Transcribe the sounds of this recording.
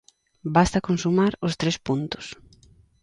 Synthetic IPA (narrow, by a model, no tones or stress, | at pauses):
bast̪akonsumaɾʊst̪ɾespunt̪ʊ̥s